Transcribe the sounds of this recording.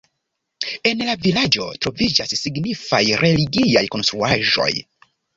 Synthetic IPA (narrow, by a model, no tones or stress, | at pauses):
e̞nlavilad͡ʒo̞̰tɾo̞vid͡ʒasːiɡnifa̰jɾʔe̞liɡiajko̞nstɾuaʒo̞̰j